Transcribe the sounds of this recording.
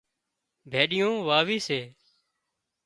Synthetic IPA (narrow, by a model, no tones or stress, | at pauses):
bʱeːɗɪjõːʋaːʋiːseː